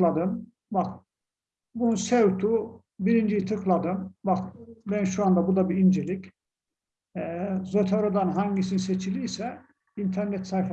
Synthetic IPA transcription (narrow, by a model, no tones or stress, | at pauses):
lˠad̪ɯm | bak | bununsevt̪ʰu | biɾind͡ʒijit̪ʰɯklˠad̪ɯmbakbænʃuand̪abud̪abiind͡ʒelʲic | zot̪ʰaɾod̪anɦaɲɟisinset͡ʃʰilʲiːsɛ | int̪ʰæɾnɛt̪sajf